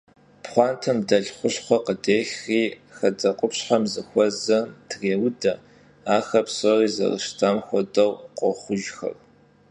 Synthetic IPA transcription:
pχʷɑːntʰɐmdɐɮχʷʊɕχʷɔqədeːxriːxɐd͡zɐqʷʼʊpɕħamzɨxʷɔzɐmdreːwdɐ | aːxɐpsɔriːzɐ̰rɨ̰ʃtʰaːmxʷɔdɐwqʷʼɔχʷʊʒxɐ̰r

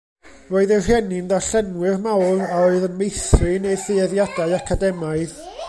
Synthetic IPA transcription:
roːɨðɛr̥ɛnɪndaɬɛnwɨrmawraoɨðənmejθrɨnejθɪɛðjadaɨakʰadɛmaɨð

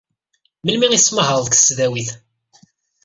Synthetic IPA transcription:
məlmiŋisməɦəɾˤðkə̥sːðæwiθ

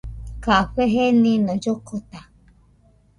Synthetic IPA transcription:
kaɸeɦenĩnõd͡ʒokʰot̪a

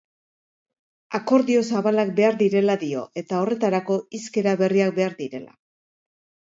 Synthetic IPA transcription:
ako̞ɾðio̞saβalak̚be̞aɾðiɾe̞laðio̞ʔe̞t̪ao̞re̞t̪aɾako̞iske̞ɾaβe̞riak̚be̞aɾðiɾe̞la̰

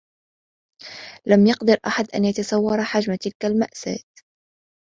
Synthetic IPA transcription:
lamjɑqd̪ɑɾʔaħad̪ʔa̰njat̪asˤɑwːɑɾˤħad͡ʒmat̪ɪlkalmaʔsa̰ːt̪

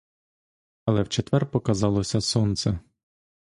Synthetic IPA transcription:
ɐlˠɛwt͡ʃet̪ʋɛrpɔkɐzɑlˠɔsʲɐsɔnt̪sɛ

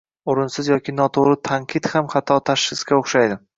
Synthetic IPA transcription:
oɾɪnsɪzjɒkʲɪnɒt̪ʰoɾɪt̪ʰaŋqʰɨt̪hamχɑt̪ʰːɒt̪ʰaʃχɪskʲaoχʃajd̪ɪ

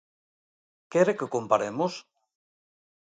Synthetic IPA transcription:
kɛɾekekompaɾemos

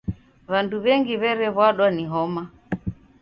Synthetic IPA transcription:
βanduβɛŋɡiβɛɾɛβwaɗwaniɦɔma

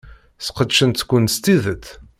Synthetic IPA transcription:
θqəd̪ʃənt̪kʷːʊnst̪iðət̪

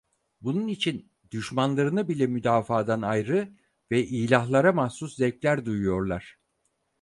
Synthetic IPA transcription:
bununit͡ʃʰin | d̪̥yʃmanlˠaɾɯnɯbilʲɛmyd̪aːfaːd̪anajɾɯ | vɛʔiːlʲahlˠaɾamahsuszɛclʲæɾd̪ujujo̞ɾlˠaɾ̥

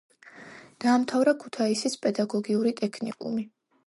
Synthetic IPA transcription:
d̪̥aːmt̪ʰavɾakʰu̥t̪ʰaisispʼɛd̪aɡɔɡiuɾit̪ʼɛkʰnḭkʼṵmi

